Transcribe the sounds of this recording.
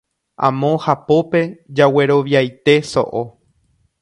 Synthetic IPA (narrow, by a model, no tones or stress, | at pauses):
ʔã̰mõhapo̞pe̞d͡ʒawe̞ɾo̞ʋjajt̪e̞so̰ʔo